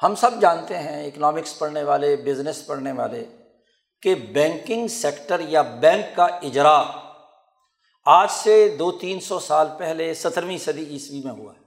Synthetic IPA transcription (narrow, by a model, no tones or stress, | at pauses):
hɐmsɐbd͡ʒãːnt̪eɦɛ̃ɪknɔːmɪkspɐɽneʋaːlebɪznɪspɐɽneʋa̰ːle | kebɛ̃ːŋkɪ̃ŋɡsɛːkʈəɾjabɛ̃ːŋkːaɪd͡ʒɾaː | aːd͡ʒsed̪oːt̪iːnsɔsaːlpɛɦlesɐt̪ʰəɾmĩsɐd̪iiːsʋimẽɦʊa̰ɛː